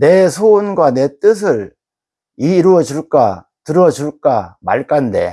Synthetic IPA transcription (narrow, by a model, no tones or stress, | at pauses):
ne̞sʰonɡwane̞t͈ɯs̬ʰɯɭ | iːɾuʌd͡ʑuɭk͈a̰ | tɯɾʌd͡ʑuɭk͈ama̰ɭk͈ande̞̰